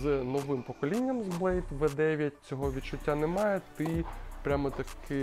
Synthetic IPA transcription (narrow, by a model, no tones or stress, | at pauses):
znɔʋɪmpɔkɔlʲinʲːɐmzblˠɛjt̪ʋɛd̪ɛʋʲjɐt̚ʲt͡sʲɔɦɔʋʲitt͡ʃʊtʲːanɛmɑjɛt̪ɪpɾʲamɔt̪ɐkʰɪ